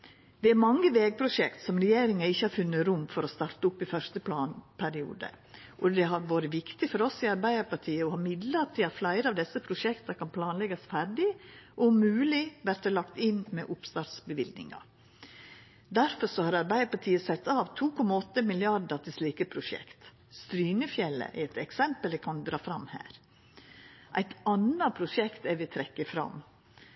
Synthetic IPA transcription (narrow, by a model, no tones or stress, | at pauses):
d̪̥ɛæɾmɑŋːəʋeːɡ̚pʰɾʊʂɛkt̪sɔmɾɛjeːɾɪŋɑɪçːəhɑɾfʉnːəɾʊmːfɔɾɔst̪ɑɾt̪əʊpːɪfœʂt̪əpʰlɑːnpʰæɾɪṵːd̪ə̰ | ʔɔd̪ɛɦɑɾʋɑːɾəʋɪkt̪ɪfɔɾɔsɪɑɾbæɪəɾpɑʈʰiːəɔhɑːmɪd̪lət̪ʰɪlɑt̪flæɪɾəɑːʋd̪ɛsːəpʰɾʊʂɛkt̪ɑkɑnpʰlɑːnlɛɡɑsfæɾɖɪʔɔʊmʉːlɪʋæɾt̪əlɑkt̪ɪnmɛʔʊpst̪ɑːt̪sbəʋɪld̪nɪ̰ŋɑ̰ | d̪æɾfɔsɔhɑɾɑɾbæɪəɾpɑʈʰiːəsɛt̪ːɑːʋt̪ʰuːkʰɔmɑɔt̪ːəmɪlɪɑɖɑt̪ʰɪlsliːkəpʰɾʊʂɛ̰kt̪ | st̪ɾyːnəfjɛlːə̰ʔɛɾɛt̪ɛksɛmpəlɛkʰɑnd̪ɾɑːfɾɑmhæ̰ːɾ | ʔæɪt̪ɑnɑpʰɾʊʂɛkt̪æɾʋɪt̪ʰɾɛkːəfɾɑ̰m